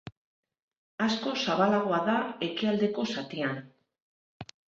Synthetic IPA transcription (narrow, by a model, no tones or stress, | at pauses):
asko̞saβalaɣ̞o̞aðae̞kiald̪e̞ko̞sat̪ian